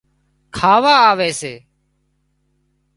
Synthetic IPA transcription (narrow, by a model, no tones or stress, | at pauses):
kʰaːʋaːaːʋeːseː